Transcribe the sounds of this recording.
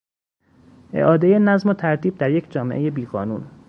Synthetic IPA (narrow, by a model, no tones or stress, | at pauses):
ʔe̞̰ʔɒːd̪e̞je̞næzmot̪ʰæɾt̪ʰiːb̚d̪æɾje̞cʰd͡ʒɒːmeʔe̞je̞biːɣɒːnuːn